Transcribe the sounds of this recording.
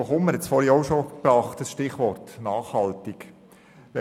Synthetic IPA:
oχʊmməɾhɛtsfɔɾhiɔʊʃob̥ɑːχt̪əsʃtɪχʋɔrtnɑːχhɑltik | ʋɛ

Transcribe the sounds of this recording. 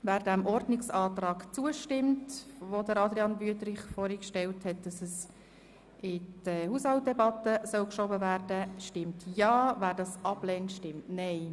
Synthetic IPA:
væːɾdæmʔɔrdnɪksɑːtrɑːkt͡suəʃtɪmtvodəɾɑd̪ɾiɑnbyətɾɪχfɔːɾikʃtɛlthɛt̚d̥ɑsɛs | ɪd̥əhushɑlt̚d̥ɛbɑtəsœlkʃɔbəvæːrdəʃtɪmtjɑːvæːɾdɑsɑb̥lɛːntʃtɪmtnɛɪ

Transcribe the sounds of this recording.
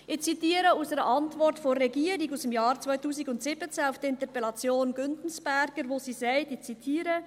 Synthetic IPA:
ɪçt͡sitiːɾəʊnsəʁəʔɑntvɔɾtfoːɾːɛɡiːɾɪkasd̥emjɑːɾt͡svaɪtuːsɪɡʊntsɪbət͡seːnaʊfd̥iɪntəɐpɛlɑt͡sjoːnɡʏntn̩sb̥ɛɾɡ̥əɾvoːsiːzɛɪtɪçt͡sitʰiːɾə

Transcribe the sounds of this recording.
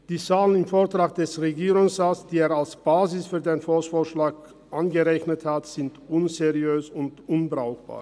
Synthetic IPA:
d̥iːt͡saːlənɪmfoːɐtʁ̥aːk̚d̥ɛsʁeɡiːʁʊŋsʁaːsd̥iːeːɐalsb̥aːzɪsfyːɐdeːnfoːsfoːɐʃlaːk | ʔanɡəʁɛçnəthatz̥ɪntʔʊnzeʁiøːsʊntʔʊnbʁaʊxb̥a̰ːɐ

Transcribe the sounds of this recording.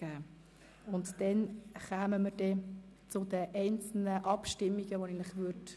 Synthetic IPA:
æː | ʊntd̥ɛnχæːməməɾd̥ɛt͡sʊdəʔɛɪnt͡sl̩nəʔɑpʃtɪmːiɡ̥əʋoɛɡənləχʋøt

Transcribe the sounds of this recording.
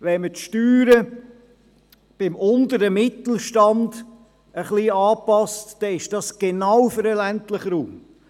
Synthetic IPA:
ʋɛnmətʃtyːɾə | b̥ɪmʔʊnd̪əɾəmɪt̪l̩ʃtɑnd | əχliːɑːpɑstd̥ɛɪʃd̥ɑsɡ̥enɑwfəɾəlæntləχɾuːm

